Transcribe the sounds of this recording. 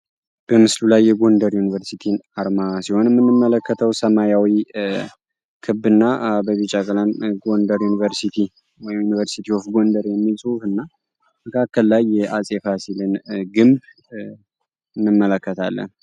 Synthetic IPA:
b̥əmɨslulajːɛɡo̞nd̪əɾjunivəɾsit̪ʰinaɾmasiho̞nɨmːɨnmːɨmːələkːət̪ʰəwsəmajawi | kʰɨbːɨnːabəβit͡ʃʼakʼlanɡo̞nd̪əɾjunivəɾsit̪ʰi | wɔjmjunivəɾsit̪ʰiofɡo̞nd̪əɾjɛmːilsʼuuhɨnːa | məkʰakːəlːajːɛʔasʼefasilɨnɡɨmb | ɨnːɨmːələkːət̪ʰalːə̰n

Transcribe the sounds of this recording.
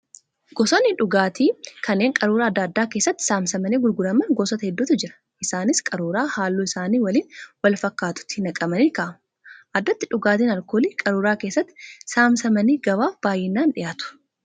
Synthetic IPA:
ɡ̥ɔsɔnːɪᶑʊɡaːt̪iːkɐnːe̞ːŋkʼɐɾuːɾaːd̪ːaːd̪ːaːke̞ːsːɐt̪ːɪ̥saːmsɐmɐniːɡʊlɡʊɾɐmɐnɡɔsɔt̪ɐhɛd̪ːuːt̪ɐd͡ʒɪɾɐ̥ | ʔɪsaːnɪskʼɐɾuːɾaːhaːlːuːɪsaːniːwɐliːnwɐlfɐkːaːt̪ʊ̥t̪ːɪ̥ɪnɐkʼɐmɐniːkaːmɐ | ʔɐd̪ːɐt̪ːɪᶑʊɡaːt̪iːnɐlkoːliːkʼɐɾuːɾaːkeːsːɐt̪ːɪ̥saːmsɐmɐniːɡɐbaːfb̥aːjːɛnːaːnᶑɪjaːt̪ʊ̥

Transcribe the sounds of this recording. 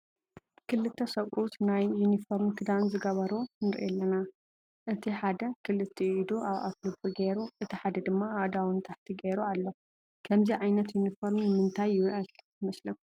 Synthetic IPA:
kʰɨlɨt̪ʰːɐsɐwʼʔut̪najːunifoɾmkʰɨd̪anzɨɡɐβɐɾonɨɾ̰ʔɛlːɐna | ʔɨt̪ʰiħad̪ɐkʰɨlɨt̪ʰːiid̪uʔaβʔa̰t̪lɨbɨɡeɾuʔɨt̪ʰiħad̪ɐd̪ɨmːaad̪awɨnt̪ʰaħt̪ʰiɡeɾualːo | kʰɐmziʕajnɐt̪junifoɾmnɨmɨnt̪ʰajːɪβʔal | mɐslɐk̪u̥

